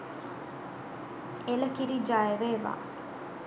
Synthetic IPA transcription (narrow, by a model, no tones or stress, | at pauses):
elɐkiɾid͡ʒaːeʋeːʋa̰ː